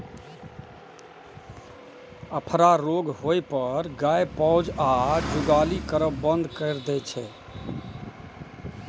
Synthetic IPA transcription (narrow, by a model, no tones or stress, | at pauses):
əpʰɾaɾoːɡɦoːjpəɾɡaːjpɔʊd͡ʒaːd͡ʒʊɡaːlikəɾəbə̃nd̪ʱkəɪɾd̪ɛt͡ʃʰɛː